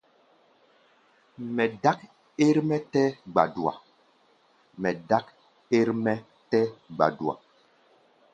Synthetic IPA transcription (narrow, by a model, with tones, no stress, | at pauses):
mɛ˨da˦k̚ | e˦ɾmɛ˦tɛ˦ɡ͡ba̰˨du˨a̰˨ | mɛ˨da˦k | e˦ɾmɛ˦ | tɛ˦ɡ͡ba̰˨du˨a̰˨